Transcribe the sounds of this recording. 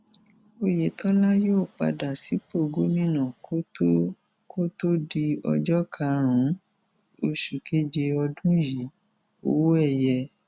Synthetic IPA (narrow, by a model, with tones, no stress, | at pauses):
o˧je˨tʰɔ˦la˦joː˦˨k͡pa̰˧da˨si˨˦po˦˨ɡo˨˦mĩ˦nã˨ko˦ | ko˦to˦di˧ɔ̰˧d͡ʒɔ˦kʰa˧˦ɾ̃ũ˨˦ | o˧ʃu˨kʰe˦d͡ʒe˧ɔ˧dũ˦ji˨˦ | o̰˨wo˦ɛ˦˨jɛ˧